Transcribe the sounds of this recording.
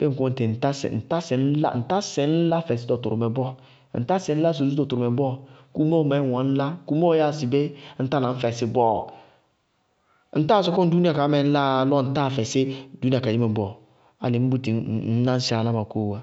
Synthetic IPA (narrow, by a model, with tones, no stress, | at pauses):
b̥e˦ŋ̩˨ku˦õ˦n˨te˨n̩˨ta˦sɛ̰˨n̩˨ta˦sɛ˨n̩˦la̰˦n̩˨ta˦sɛ˨n̩˦la˦fɛ˨sɪ˦dɔ˨tu˨ɾmɛ˨bɔ˦ | n̩˨ta˦sɛ˨˦n̩˦a˦s̬o˨˦u˦dɔ˨tu˨ɾʊ˨mɛ˨bɔ˦ku˦mo˦˨ma˨˦˨wã˨˦n̩˦la˦ku˦mo˦ja˦˨si˨be˦n̩˦ta˦nã˨ɱ̩˦fɛ˨sɪ˨bɔ˦ | n̩˦ta˦˨sɔ˦kɔ˦n̩˦du˦i˦a˨ka˨˦mɛ˨n̩˦la˦lɔ˦n̩˦ta˦˨fɛ˨sɪ˦du˦ni˦a˨ka˨i˦me˨bɔ˦ | a̰˨lɪ˨˦m̩˦bu˦ti˨˦n̩˦nã˦n̩˦si˦a˨la˦ma˨ko˦˨wa˨